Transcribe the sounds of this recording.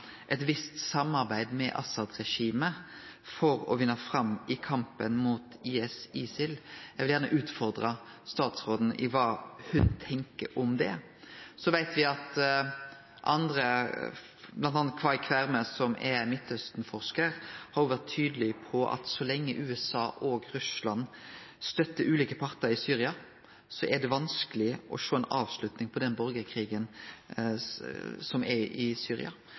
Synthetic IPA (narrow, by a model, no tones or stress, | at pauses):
ʔɛt̪ʋɪst̪sɑmɑɾbæɪd̪mɛ̰ʔɑ̰sɑd̪ʁɛʂiːməfɔɾɔ̰ʋɪnːəfɾɑmːɪkʰɑmpənmuːt̪iːɛsiːsɪljæɪʋɪljæʁnəʔʉːt̪fɔʁd̪ʁɑst̪ɑːt̪sʁoːd̪n̩ɪ̰ʋɑːhʉnt̪ʰɛŋkə̰ɾɔmd̪ɛ | sɔʋæɪt̪ʰʋɪɑt̪ | ʔɑ̰nd̪ɾə | blɑnt̪ɑːnɑt̪kʰʋɑɪkʰʋæɾməsɔmʔɛmɪt̪ːœst̪n̩fɔʁʂkəɾhɑɾjʊʋæʁt̪ʰːyːd̪əlɪpʰɔʔɑ̰t̪sɔlɛŋːəʔʉːɛsɑːʔoːɡɾʉslɑn | st̪œt̪ːəʔʉːliːkəpʰɑɾt̪əɾɪsyːɾɪɑ | sɔʔɛd̪ɛʋɑnskəlɪʔɔ̰ʃoːɛɪnʔɑ̰ːʋslʉt̪nɪŋpʰɔd̪ɛnbɔɾɡəɾkʰɾiːɡən | sɔmɛɪsyːɾɪ̰ɑ̰